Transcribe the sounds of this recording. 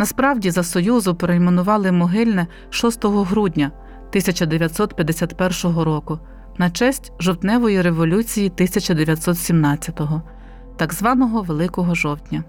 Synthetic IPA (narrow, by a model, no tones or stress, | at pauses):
nɐspɾɑwdʲizɐsɔjuzʊpɾɔimenʊʋɑlˠɪmɔɦɪlʲnɛ | ʃɔst̪ɔɦɔɦɾudʲnʲɐ | t̪ɪsʲɐt͡ʃɐd̪eʋʲjɐt̪sɔt̪pʲjɐd̪ːesʲat̪pɛrʃɔɦɔɾɔkʊ | nɐt͡ʃɛsʲtʲʒɔwt̪nɛʋɔjiɾe̞ʋɔlʲut͡sʲijit̪ɪsʲɐt͡ʃɐd̪eʋʲjɐt̪ʲsɔt̪sʲimnɑt͡sʲːɐt̪ɔɦɔ | t̪ɑɡzʋɑnɔɦɔʋelˠɪkɔɦɔʒɔwt̪ʲnʲɐ